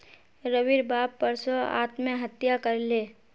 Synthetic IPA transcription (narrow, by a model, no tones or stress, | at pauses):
ɾəʋiɾbaːpːəɾsoa̰ːt̪mẽɦət̪jakɐɾleː